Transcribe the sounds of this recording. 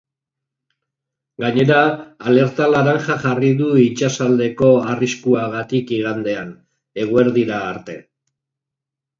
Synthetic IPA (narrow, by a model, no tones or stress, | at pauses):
ɡaɲe̞ɾaːle̞ɾt̪alaɾaŋʝaʝariðuit͡ʃasald̪e̞ko̞ariskuaɣat̪ikiɣand̪e̞an | eɣ̞ue̞ɾðiɾaːɾt̪e̞̰